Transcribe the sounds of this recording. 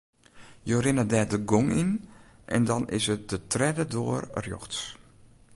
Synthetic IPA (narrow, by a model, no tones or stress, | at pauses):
joːrɪnədɛːdəɡoŋḭn | ʔɛ̰ndɔnɪ̰sət̚dətrɛdədoːərrjo̰xts